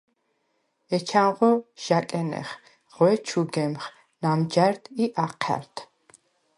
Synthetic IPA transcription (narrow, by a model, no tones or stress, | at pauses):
ɛt͡ʃʰamʁɔʃakʼɛnɛ̰χ | ʁ̥wɛt͡ʃʰuɡɛmχ | namd͡ʒaɾt̪ʰiʔaqʰɛ̰ɾt̪ʰ